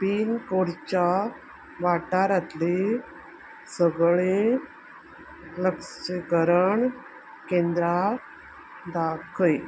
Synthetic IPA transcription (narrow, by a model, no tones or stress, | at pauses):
piːnkoɽt͡ɕa | ʋaʈaɾat̪le | səɡɭe | ləkssekəɾəɳ | kẽnd̪ɾa | d̪akʰəj